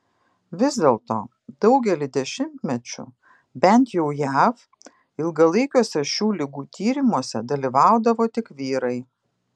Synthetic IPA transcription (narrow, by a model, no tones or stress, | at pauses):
ʋʲɪzʲd̪ʲeːlˠt̪o̰ː | d̪ɐʊɡʲɛlʲɪd̪ʲɛʃʲɪmʲt̪ʲmʲɛt͡ʃʲʊ̰ | bʲɛnt̪jɛʊjæf | ɪlˠɡɐlˠɐɪkʲoːsʲɛʃʲuːlʲɪɡuːt̪ʲʰiːɾʲɪmuɔsʲɛd̪ɐlʲiʋɑˑʊd̪ɐʋoːt̪ʲɪkʋʲiːɾɐɪ